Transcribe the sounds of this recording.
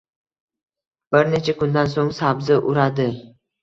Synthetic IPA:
b̥ɪɾne̞t͡ʃʰakʰʊnd̪ansoŋsabzɪʔʊɾad̪ɪ

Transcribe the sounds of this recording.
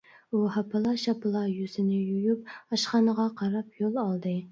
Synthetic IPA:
uhɑpʰɨlˠɑʃɑpɨlˠɑjyz̥ɪnɪjujyp̚ɑʃχɑnəʁɑqʰɑɾɑp̚ʰjolˠɑlˠd̪ɨ

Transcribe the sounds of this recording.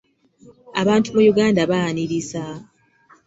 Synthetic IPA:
aβaːntumujuɡaːndaβaniɾisa

